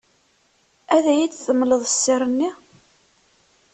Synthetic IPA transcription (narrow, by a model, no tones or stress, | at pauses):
æðæjit͡sθəmːləðˤəsːiɾˤənːi